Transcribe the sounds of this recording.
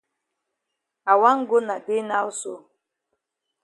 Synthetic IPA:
a˨wa˦ŋ̩˦ɡo˦na˨de˦na˦o˦so̰˦˨

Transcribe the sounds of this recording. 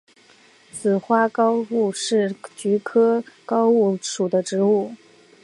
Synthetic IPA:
t͡sʰɹ̩˨˩xwa˥kɑ˥ʊu˥˩ʂɻ̩˥˩t͡ɕy˧˥kʰɤ˥kɑ˥ʊu˥˩ʂu˨˩d̪ə˦ʈ͡ʂɻ̩˧˥u˥˩

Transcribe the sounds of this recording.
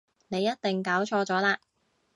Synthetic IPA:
ne˨˧jɐ˥t̚t̪ɪ˨ŋkaː˨˥wt͡ʃʰɔː˧t͡sɔː˨˥laː˧

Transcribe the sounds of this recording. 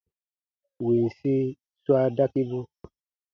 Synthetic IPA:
wi˨n˨si˦ | swa˦da˦ki˦bũ˦

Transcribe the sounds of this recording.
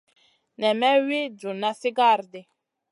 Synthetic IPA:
nɛ˨mɛ˦we˦d͡ʒu˨na˦si˦ɡa˦˨ɾde˨

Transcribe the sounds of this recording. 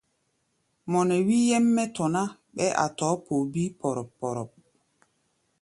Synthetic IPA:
mɔ˨nɛ˨wi˦jɛ˦mːɛ˦tɔ˨na˦ɓɛ˦ʔa̰˨tɔː˨˦po˨bi˦pɔ˨ɾɔ˨pːɔ˨ɾɔ˨p̚

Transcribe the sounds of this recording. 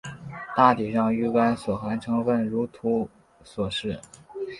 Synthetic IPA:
t̪a˥˩t̪i˨˩ʂɑ˥˧ŋy˥˩ka˥nswɔ˨˩xa˧˥nʈ͡ʂʰɤ˧˥ŋfə˥˩nɻu˧˥t̪ʰu˧˥ | swɔ˨˩ʂɻ̩˥˩

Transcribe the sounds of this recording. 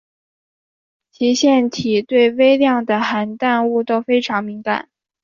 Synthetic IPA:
t͡ɕʰi˧˥ɕjɛ˥˩nt̪ʰi˨˩t̪we˥˩ɪwe˥ɪljɑ˥˩ŋd̪ə˩xa˧˥nt̪a˥˧nu˥˩t̪o˥ʊfe˥ɪʈ͡ʂʰɑ˧˥ŋmi˧˥ŋka̰˨˩˦n

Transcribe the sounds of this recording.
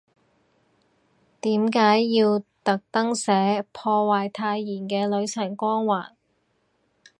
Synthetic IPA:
t̪iː˨˥mkaː˨˥jːiː˧wt̪ɐ˨k̚t̪ɐ˥ŋsɛː˨˥pʰɔː˧waː˨jt̪ʰaː˧jːiː˨˩nkɛː˧lɵ˨˧˥ɥt͡sʰɐ˨˩ŋkʷɔː˥ŋwaː˨˩n

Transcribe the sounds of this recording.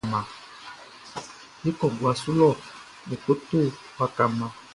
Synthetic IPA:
mã˨ | hi˦kɔ˨ɡwa˨su˦lɔ˦˨ | ni˨ko˦tu˦˨ka˨ka˨mã˨

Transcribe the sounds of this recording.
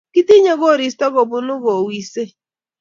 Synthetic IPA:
ki˦ti˦ɲe˦ɡo˦˨ɾi˨stɔ˦ɡo˨bʊ˦nʊ˦ɣo˨wi˨se˦

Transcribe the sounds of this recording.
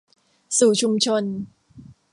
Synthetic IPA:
suː˨˩t͡ɕʰu˧mt͡ɕʰo˧n

